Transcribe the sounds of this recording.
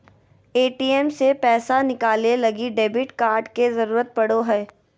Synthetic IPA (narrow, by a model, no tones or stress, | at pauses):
eːʈiːɛmsepɛːsanɪkaːlelɐɡiɖeːbɪʈkaːɾɖkezɐɾuːɾət̪̚pɐɽoɦɛː